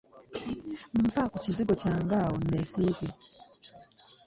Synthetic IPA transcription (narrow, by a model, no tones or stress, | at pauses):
m̩pakɔt͡ʃiziɡɔt͡ʃaŋɡaɔnɛsikɛ